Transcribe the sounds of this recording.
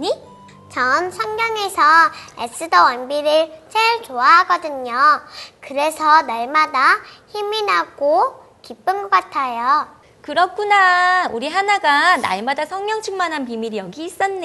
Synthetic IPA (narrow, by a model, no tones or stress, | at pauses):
ɲi | t͡ɕʌnsʰʌŋɡjʌŋe̞sʰʌḛs͈ɯdʌwanbiɾɯɭt͡ɕeɭt͡ɕoaɦaɡʌdɯɲokɯɾe̞sʰʌnaɭmadaçiminɦaɡ̥o | kip͈ɯmɡʌk͈atʰajo | kɯɾʌk͈unauɾiɦanaɡana̰ɭmadasʰʌŋɲjʌŋt͡ɕʰɯŋmanɦanpimiɾijʌɡiːs͈ʌnːe